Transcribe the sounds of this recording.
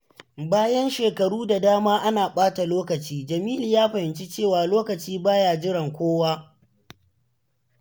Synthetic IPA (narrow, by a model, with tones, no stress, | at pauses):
baː˦jɐ˦nʃeː˨kɐ˨ɽuː˦da˨daː˦maː˦ʔa˦naː˨ɓaː˦ta˨loː˦kɐ˨t͡ʃiː˦d͡ʒɐ˨miː˦liː˨jaː˦ɸɐ˨hɪ˨nt͡ʃi˦t͡ʃeː˦˨waː˨loː˦kɐ˨t͡ʃiː˦baː˦jaː˨d͡ʒɪ˦ɽɐ˨ŋkʷoː˦waː˦